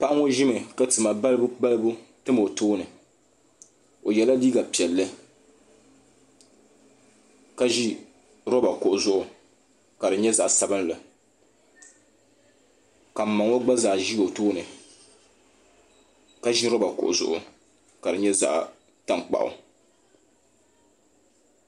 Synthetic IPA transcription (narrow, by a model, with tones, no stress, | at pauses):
pa˦ʔa˦ŋo˦ʒɪ˦mɨ˨ka˦tɨ˨ma˨ba˦lbba˦lɨ˦bu˦tɨ˦mo˨toː˦nɨ˨ | o˨jɛ˨la˦diː˦ɡa˨pi˨ɛ˨lːɨ˦ | ka˦ʒi˦ | ɾɔ˦ba˨kʊ˨ʔʊ˨zʊ˦ʔʊ˨ | ka˨dɨ˨ɲɛ˦za˨ʔsa˦bɨ˦n˦lɨ˨ | ka˨m̩˨ma˨ŋo˦ɡ͡ba˦za˨ʒi˦ɡo˨toː˦nɨ˨ | ka˦ʒi˦ɾɔ˦ba˨kʊ̰˨ʔʊ̰˨zʊ˦ʔʊ˨ | ka˨dɨ˨ɲɛ˦za̰˦ʔ | ta˦ŋk͡pa̰˨ʔʊ̰˨